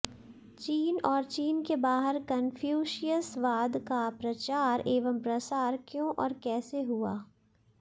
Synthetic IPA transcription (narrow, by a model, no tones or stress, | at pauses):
t͡ʃiːnɔːɾt͡ʃiːnkebaːɦəɾkənfʰjuːʃijəsʋaːd̪kapɾɐt͡ʃaːɾeːʋəmpɾɐsaːɾkjõːʔɔːɾkɛːseɦua̰ː